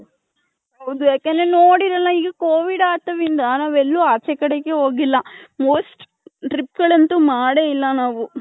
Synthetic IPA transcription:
ɦɐwd̪ujaːkenɾenoːɽiɾɐlːɐiːɡɐkoːʋiɖaːt̪ɐʋind̪ɐnaːʋelːuaːt͡ʃɛkɐɽeɡeɦo̞ːɡilːɐmoːsʈ | ʈɾipɡɐɭɐnt̪umaːɽeilːɐnaːʋu

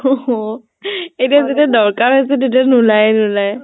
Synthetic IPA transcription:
ɔ | ejtijazetiadɔɹkaɹɦɔjs̬ɛdet̬ianulajnʊlaj

